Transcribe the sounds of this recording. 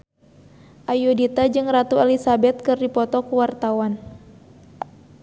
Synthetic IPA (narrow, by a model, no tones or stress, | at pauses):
ʔajudit̪ad͡ʒɨŋrat̪uɛlisabɛt̪̚kɨrdipɔt̪ɔkuwart̪awan